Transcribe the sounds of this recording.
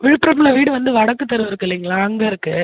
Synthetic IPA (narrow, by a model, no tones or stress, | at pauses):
ʋɪɻɯpːɯɾɐmːɪɭɐʋiːɽɯʋɐnd̪ɯʋɐɽɐkːɯt̪ːɐɾɯʋɪɾɯkːɪlːiːŋɡɐɭaːɐŋɡɐɪɾɯkːɯ